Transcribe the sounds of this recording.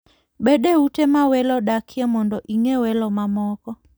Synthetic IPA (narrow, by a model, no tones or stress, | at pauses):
beɗeutemawɛlɔɗakʰjamɔndɔʔiŋewɛlɔmamɔkɔ